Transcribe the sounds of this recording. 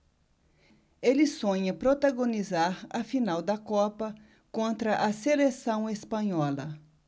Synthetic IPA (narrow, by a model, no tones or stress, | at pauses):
elɪsõɲɐpɾot̪aɡõnizaɾɐfinawd̪ɐkɔpɐ | kõnt̪ɾɐʔɐselesɐ̃w̃espɐ̃ɲɔlɐ